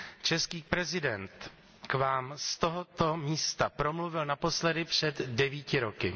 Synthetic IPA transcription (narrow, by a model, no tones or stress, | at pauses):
t͡ʃɛskiːpɾɛzɪdɛnt̪ | kvaːmst̪oɦot̪omiːst̪apɾo̞mluvɪlnapo̞slɛdɪpr̝̥ɛd̪dɛviːcɪɾo̞kɪ